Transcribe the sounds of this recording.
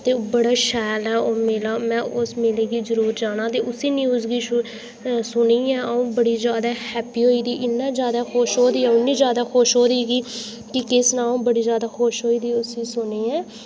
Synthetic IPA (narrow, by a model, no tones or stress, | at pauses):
t̪eːbəɽaːʃɛːlɛːoːmeːlaːmɛ̃ːʔʊsmɪːleːɡiːzəɾuːɾd͡ʒaːɽ̃aːt̪eːʔʊsiːnjuːzɡiː | sʊniːɛ̃ːʔəũːbəɽiːzjaːd̪aːhɛːpiːɦoːiːd̪iːʔɪnːãːzjaːd̪aːxoːʃɦoːd̪iːɛːʊnːĩːzjaːd̪aːxoːʃɦoːd̪iːɡiː | kɪkɪsnãːũːbəɽiːzjaːd̪aːxoːʃɦoːiːd̪iːʊsĩːsʊniːɛ̃ː